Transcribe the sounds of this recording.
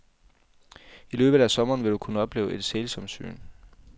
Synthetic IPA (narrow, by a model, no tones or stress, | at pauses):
ilø̰ːb̥ð̩ˠæsɒ̽mɐːnʋe̝d̥ukʰunəɒ̽b̥le̝ːʊʔe̝d̥selsɒmsy̰ːn